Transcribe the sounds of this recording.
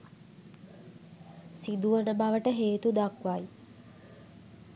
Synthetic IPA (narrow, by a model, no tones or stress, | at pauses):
sid̪uʋənəbaʋəʈəɦeːt̪ud̪akʋaj